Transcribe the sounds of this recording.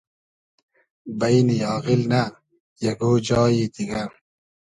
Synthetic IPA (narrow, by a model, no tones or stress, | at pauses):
bɐjnijɑːɣilna | jɐɡoːd͡ʑɑːjid̪iɡa